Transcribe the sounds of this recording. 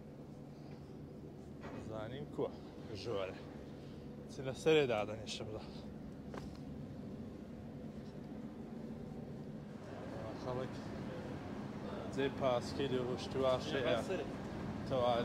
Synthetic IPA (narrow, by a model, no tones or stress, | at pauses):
zaːnimkʰu | ʒoːɾe | t͡sʰilɐsɐɾed̪aːd̪ɐniʃɨmza | axɐlɨk | d͡zeːpʰaːskɐjliruʃt̪iwaːʃe | t̪ʰɐwaː